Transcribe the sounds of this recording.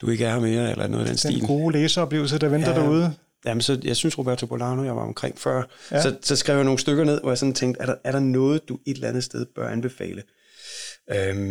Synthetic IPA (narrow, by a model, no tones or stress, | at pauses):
d̥ue̝ɡ̥əæɐɑme̝ːɐelɐæɐno̰ɔːðˠdḛnsd̥ḭːlɡ̥o̝ːleːsɐɒb̥le̝̰ʊls̬ɐd̥ɑʋend̥ɐd̥æuð̞ˠə | jæmənsɒ̽jɑ̈ɪsynsʁo̝b̥æɐt͡sʰo̝bʰpʰolɑ̈ːno̝jɑ̈ɪʋɑ̈ɒ̽mkʰʁeŋ̰fɶɐ̰sɒ̽sɒ̽sɡ̥ʁɛ̰ʊjano̝ːn̩sd̥øɡ̥ɐne̝ð̰ˠʋɒjɑ̈sɒ̽nt͡sʰeŋ̰ɡd̥æɐɾɑæɐɾɑ̈nɔ̽ːð̞̩ˠd̥ue̝d̥lænð̞̩ˠsd̥eð̞ˠb̥ɶɐʔænb̥e̝fɛ̰ːlə | øm